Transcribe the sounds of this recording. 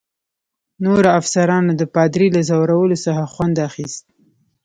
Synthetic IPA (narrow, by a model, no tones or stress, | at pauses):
noɾaafsaɾɑnad̪əpɑd̪ɾilazawɾawəlosəxaxwand̪axist̪̚